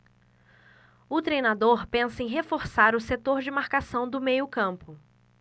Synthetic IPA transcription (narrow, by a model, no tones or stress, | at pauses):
ʊt̪ɾejnad̪oɾpẽsɐẽj̃ɦefoɾsaɾʊset̪oɾd͡ʒɪmaɾkasɐ̃w̃d̪ʊmejʊkɐ̃pʊ